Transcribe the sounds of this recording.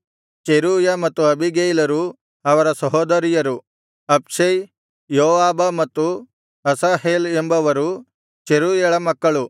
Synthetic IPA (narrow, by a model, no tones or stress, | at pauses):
t͡ʃeɾuːjɐmɐt̪ːuɐbʱiɡejlɐɾu | ɐʋɐɾɐsɐɦoːd̪ɐɾijɐɾu | ɐpʂɐj | joːʋaːbɐmɐt̪ːu | ɐsaːɦeːlembɐʋɐɾu | t͡ʃeɾuːjɐɭɐmɐkːɐɭu